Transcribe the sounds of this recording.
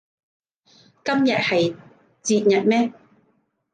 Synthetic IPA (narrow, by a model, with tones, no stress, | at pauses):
kɐ˥mjɐ˨t̚hɐ˨j | t͡siː˧t̚jɐ˨t̚mɛː˥